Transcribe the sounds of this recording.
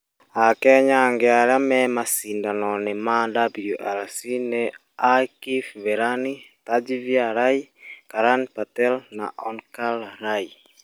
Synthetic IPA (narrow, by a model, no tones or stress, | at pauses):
akɛɲaŋɡɛaɾamɛmasindanɔnɛmandabloʔaɾsinɛ | akifvɛɾanitad͡ʒivjaɾaikaɾanpatɛlna̰ʔɔnkalɾai